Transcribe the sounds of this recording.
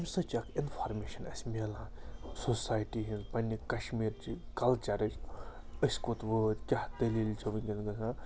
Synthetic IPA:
ɐmʲsɐt͡ʃɐkʰinfʰaɾmeːʃɐnɐ̰sʲmiɐlãsosaːjʈiɦĩnzpɐnʲːikɐʃmiːɾt͡ʃikɐlt͡ʃɐɾɐt͡ʃəsʲkot̪ʋət̪ʲkʲahd̪ɐliːlʲt͡ʃʰɐʋɐnʲɡʲɐnɡɐɡã

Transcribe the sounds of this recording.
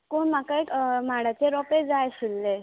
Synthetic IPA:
koɳmakamaɽat͡ɕeɾɔped͡zajɕilːe

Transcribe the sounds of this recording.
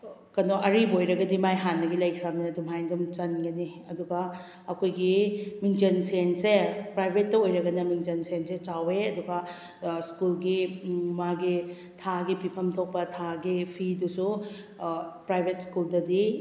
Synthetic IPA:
kɐnoʔɐɾibojɾɐɡɐdimajɦanːɐɡilɐjkʰɾamnɐdumɦajnɡumt͡ʃɐnɡɐniɐduɡɐ | ɐkʰojɡimiŋd͡ʒɐnsensepɾajbʱet̚ːɐojɾɐɡɐnɐmiŋd͡ʒɐnsenset͡ʃaweɐduɡɐ | skulɡimaɡi | tʰaɡipipʰɐmtʰok̚pɐtʰaɡipʰidusu | pɾajbʱet̚skuldɐdi

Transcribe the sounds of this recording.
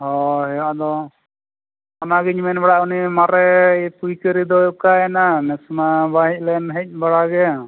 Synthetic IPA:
hɔɦɛad̪ɔ | ɔnaɡɛɲimɛnbaɽaunimaɾɛpujkəɾid̪ɔjɔkaɛnanɛsmabaɦic̚ˀlɛnɦɛc̚ˀbaɽaɡɛ

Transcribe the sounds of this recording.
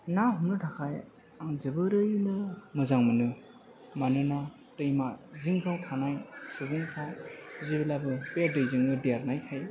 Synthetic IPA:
naɦumnɯtʰakʰaj | aŋzɯbɯɾɯjnɯmɯzaŋmɯnɯ | manɯna | tɯjmaziŋpʰatʰanajsubɯŋtʰazibilabɯpedɯjziŋɯdeɾnajkʰaj

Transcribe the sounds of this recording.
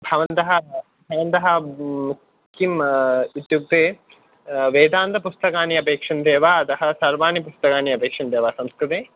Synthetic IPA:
bʱɐʋɐnt̪ɐɦɐ̆ | bʱɐʋɐnt̪ɐɦɐ̆mu | kʰːimut̪juk̚t̪eː | ʋeːd̪aːnt̪ɐpust̪ɐkaːniɐpeːkʂɐnd̪eːʋaːɐt̪ɐɦɐ̆sɐɾʋaːnipust̪ɐkaːniɐpeːkʂɐnd̪eːʋaːsɐmskɾit̪eː

